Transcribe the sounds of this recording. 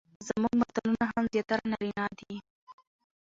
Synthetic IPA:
zamuɡmat̪alunaɦamzjɑt̪aɾanaɾinɑd̪i

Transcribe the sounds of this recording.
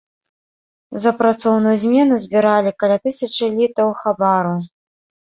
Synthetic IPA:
zɐpɾat̪sɔwnujuzʲmʲɛn̪uzʲbʲiɾalʲikalʲat̪ɨsʲɐt͡ʂɨlʲit̪ɐwxabaɾu

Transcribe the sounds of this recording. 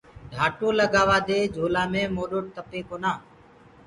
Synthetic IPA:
ɖʱaːʈõːləɡaːʋaːd̪eːd͡ʒʱoːlaːmẽːmoːɗoːʈ̚t̪əpeːkoːnaː

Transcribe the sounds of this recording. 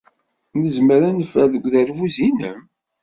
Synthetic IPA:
məzməɾænəfæðəɡʷðæɾvuzinə̰m

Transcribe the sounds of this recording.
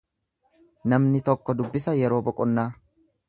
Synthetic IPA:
nɐmnɪt̪ɔkːɔd̪ʊbːɪsɐjɛɾo̞ːbɔkʼʊnːaː

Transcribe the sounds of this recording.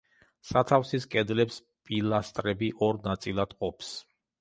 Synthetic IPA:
sat̪ʰafsiskʼɛd̪lɛps | pʼilast̪ʼɾɛbiʔɔɾnat̪sʼilˠad̪̥qʼɔpʰs

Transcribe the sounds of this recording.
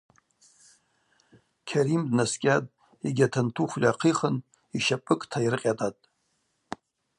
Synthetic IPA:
kʲʰaɾimdnaskʲʼadʼ | eɡʲatʰantʰuχʷlʲaqʰiχən | iʃapʼɨkʼtʰaiɾɨqʲʼatʼatʼ

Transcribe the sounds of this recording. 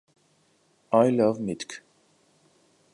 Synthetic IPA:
aɪlʌvmɪtk

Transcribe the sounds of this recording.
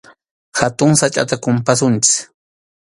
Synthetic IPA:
hat̪ʊŋsat͡ʃʼa̰t̪akʊmpasʊnt͡ʃɪ̥

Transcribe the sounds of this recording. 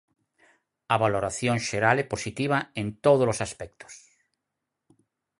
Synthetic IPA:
aβaloɾaθjõŋʃeɾalɛposit̪iβ̞aẽnt̪oð̞olosaspɛk̚t̪o̥s

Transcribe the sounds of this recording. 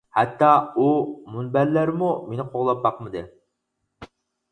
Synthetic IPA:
hɛt̪ʰːɑumunbæɾlæɾmumenɪqʰoʁlˠɑp̚bɑqmɨd̪ɨ

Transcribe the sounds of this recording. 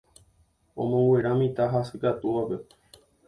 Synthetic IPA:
õ̰mõŋɡwʷe̞ɾamĩt̪aɦasɨkat̪uʋape̞

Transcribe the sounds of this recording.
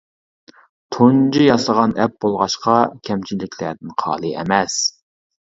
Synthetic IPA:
t̪ʰond͡ʒijɑslˠəʁɑnɛp̚b̥olˠʁɑʃqɑkʲʰɛmt͡ʃʰinlɪkʲʰlæd̪ɪnqʰɑ̰ːlˠɨɛ̰mɛs

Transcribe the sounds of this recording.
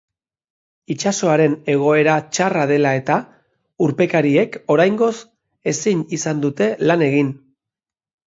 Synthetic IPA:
it͡ʃaso̞aɾe̞ne̞ɣ̞o̞e̞ɾat͡ʃaraðe̞lae̞t̪a | uɾpe̞kaɾie̞ko̞ɾajŋɡo̞s | e̞siɲisand̪ut̪e̞lane̞ɣ̞in

